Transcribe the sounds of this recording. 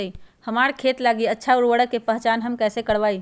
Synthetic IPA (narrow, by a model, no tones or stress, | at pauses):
ihəmaɾkʰet̪laːɡiətːʃʰauɽwəɽəkːepəɦt͡ʃanɦəmkɛːsekəɽʋai